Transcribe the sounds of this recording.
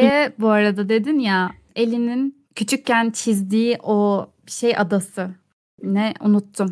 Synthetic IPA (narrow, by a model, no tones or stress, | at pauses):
ɛbuaɾad̪ad̪e̞d̪inja | e̞lʲinin | cʰyt͡ʃʰyc̚cænt͡ʃʰizd̪iːʔobiʃe̞jʔad̪asɯ | nɛṵnut̪ʰːum